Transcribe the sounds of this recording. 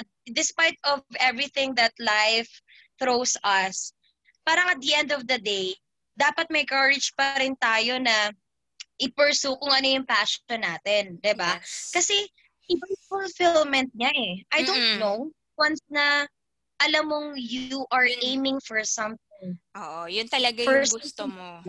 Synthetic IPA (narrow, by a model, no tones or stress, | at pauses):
ɐd̪ɪspajt̪̚ɔvɛvɹiθɪ̃ŋd̪ɐt̪̚lajf | θɾowsɐs | paːɾɐŋɐt̪̚d̪ɐʔɛ̃nd̪ɔvd̪ɐd̪ej | d̪aːpɐt̪̚mɐjkɐɹɪd͡ʒpɐɾɪnt̪aːjonɐ | ʔɪpɛɹsukʊŋɐno̞jʊŋpaʃɔnːaːt̪ɛnd̪ɪbakɐsɛ | ʔɪbɐŋfʊlfɪlmɛnt̪̚ɲɐʔɛʔɐjd̪ont̪now | wɐnsnɐ | ʔɐlɐmːoŋjuʔɐɹʔejmɪ̃ŋfɔɹsɐ̃mθɪŋʔoːʔojʊnt̪ɐlɐɡajɡʊst̪omo